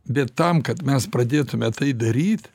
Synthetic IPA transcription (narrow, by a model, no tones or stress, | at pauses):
bʲɛt̪ːɐmkɐt̪mʲɛspɾɐd̪ʲeːt̪ʊmʲɛt̪ɐɪd̪ɐɾʲiːt̪ʲ